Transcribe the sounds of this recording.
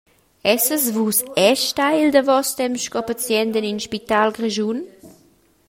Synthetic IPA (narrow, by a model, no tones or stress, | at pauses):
ɛsəzvusɛʃtajild̪əvɔst̪ɛmʃkɔpat͡sjɛnd̪əninʃpit̪alɡreʒun